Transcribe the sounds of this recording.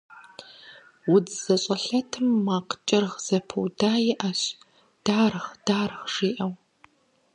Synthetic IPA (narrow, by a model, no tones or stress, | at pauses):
wʊd͡zz̥ɐɕʼɐɬɐtʰɨmːaːqt͡ʃʼɪrʁz̥ɐpʰɨwdaːjɛʔɐɕ | d̥aːrɨχd̥aːrɨχʂiːʔɐw